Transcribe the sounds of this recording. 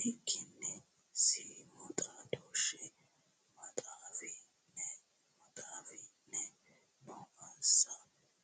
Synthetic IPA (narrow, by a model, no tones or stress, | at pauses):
ʔɪkʰːɪnːɛ | simɐt̪ʼad̪oːʃɛ | mɐt̪ʼaːfɪ | nːɛ | mɐt̪ʼaːfɪnːɛ | nɔːʔɐnsɐ